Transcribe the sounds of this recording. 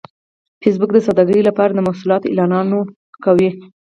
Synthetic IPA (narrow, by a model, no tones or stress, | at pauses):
fes̬bʊk̚d̪əsad̪ɑɡəɾilapɑɾad̪əmahsulɑt̪oḭlɑnɑno | kawi